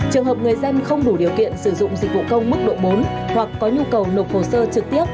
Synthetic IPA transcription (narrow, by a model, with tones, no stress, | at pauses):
t͡ɕɨ˨˩əŋɦəː˨˩p̚ŋɨ˨˩əjzə˧nxə˧wŋ͡mɗu˧˩ɗi˨˩əwkḭ˧˨ənsɨ˧˩zʊ̰˧˨ŋ͡mzi˨˩k̚vṵ˧˨kə˧wŋ͡mɓɨ˦˥k̚ɗo̰˧˨jɓo˨˦n | hwa˨˩kːɔ˨˦ɲu˧kə˨˩wno˨˩t̚ho˨˩səː˧t͡ɕɨ˨˩k̚t̪i˦˥əp̚